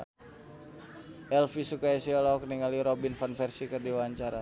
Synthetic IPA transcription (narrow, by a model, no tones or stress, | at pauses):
ʔɛlfisukaɛsiɔlɔk̚niŋaliɾobinfanfɛrsikərdiwaɲt͡ʃaɾa